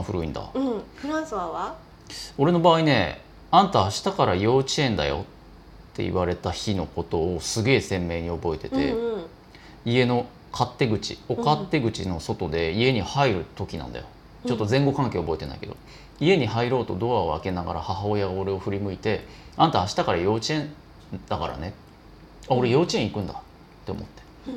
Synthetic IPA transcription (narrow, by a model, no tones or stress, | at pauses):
ɸɯɾɯ̟ḭ̃nd̪a̰ | o̞ɾe̞no̞baːine̞̰ | ãnt̪aːɕi̥t̪akaɾajo̞ːt͡ɕiẽ̞nd̪a̰jo̞̰t̪ː | e̞̰ḭβaɾe̞t̪açino̞ko̞t̪o̞ːsɨɡe̞ːsẽ̞mːe̞ːɲ̟io̞bo̞e̞t̪e̞t̪e̞̰ | ie̞no̞ | kʰat̪ːe̞ɡɯ̟t͡ɕḭokat̪ːe̞ɡɯ̟t͡ɕino̞so̞t̪o̞d̪e̞ie̞ɲ̟ihaiɾɯ̟t̪o̞kʲinã̰nd̪a̰jo | t͡ɕo̞t̪ːo̞zẽ̞ŋɡo̞kãŋkeːobo̞e̞t̪e̞na̰ike̞d̪o̰ | ie̞ɲ̟ihaiɾo̞ːt̪o̞d̪o̞βaoa̰ke̞naɡa̰ɾahaɦao̞jaɡao̞ɾe̞o̞ɸɯ̟ɾʲimɯ̟it̪e̞ant̪aːɕi̥t̪akaɾajo̞ːt͡ɕiẽ̞n | d̪akaɾa̰ne̞ | ao̞ɾe̞jo̞ːt͡ɕiẽ̞ikɯ̟̃nd̪a | t̪ːe̞omo̞̰t̪ːe̥